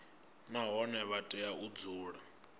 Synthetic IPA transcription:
naɦɔnɛβatʼɛaud͡zuːɺa

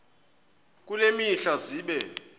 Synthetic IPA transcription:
k̬ʼulemiɬaziːɓɛ

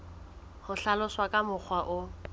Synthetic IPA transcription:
hʊɬalʊswakʼamʊk͡xʰwaʔʊ

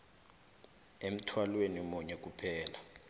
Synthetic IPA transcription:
em̩tʰwalwenimuɲɛk̬ʼupʰɛːla

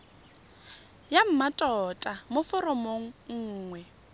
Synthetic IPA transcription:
jam̩matʼɔtʼamʊfɔrɔmoŋ̩ŋ̩ːŋwɛ

